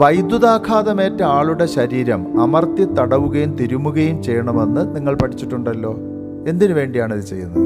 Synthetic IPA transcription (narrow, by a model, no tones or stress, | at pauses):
ʋɐjd̪juðaːkʰaːðɐme̞ːtːɐaːɭuɽe̞ɕɐɾiːɾɐmɐmɐrt̪it̪ɐɽɐʋuɣɐjumt̪iɾumːuɣɐjumt͡ɕejːɳɐmenːɨniŋːɐɭpɐʈʰit͡ɕːiʈːuɳɖɐlːo̞ː | e̞nd̪inɨʋe̞ːɳɖijaːɳiðɨt͡ɕe̞̰jːṵnːɐðɨ